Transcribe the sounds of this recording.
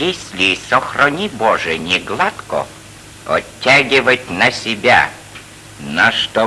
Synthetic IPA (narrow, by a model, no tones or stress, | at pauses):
jesʲlʲɪsɔxrɔnʲibɔʐɛnʲɪɡlˠat̪kɔ̰ | ɔ̰tʲːaɡʲɪʋətʲnɐsʲɪbʲa̰ | nɐʂt̪ɔ